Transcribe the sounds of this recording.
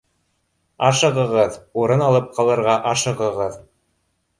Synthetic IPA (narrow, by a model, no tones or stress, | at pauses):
ɑʃɤ̆ʁɤ̆ʁɤðuɾɤnɑlˠɤp̚qʰɑlˠɤ̆ɾʁɑʔɑʃɤ̆ʁɤ̆ʁɤð